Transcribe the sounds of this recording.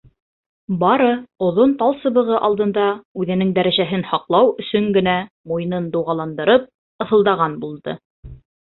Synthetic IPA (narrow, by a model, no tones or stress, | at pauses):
bɑɾɤŏðont̪ɑlˠsɤ̆βɤ̆ʁɤʔɑlˠd̪ɤ̆nd̪ɑʉðɘ̆nɘŋd̪æɾæʒæɦɘnhɑqlˠɑwɵ̆sɵŋɡɘ̆næ | mujnɤnd̪uwʁɑlˠɑnd̪ɤ̆ɾɤp̚ | ɤ̆θɤ̆lˠd̪ɑʁɑnbulˠd̪ɤ̰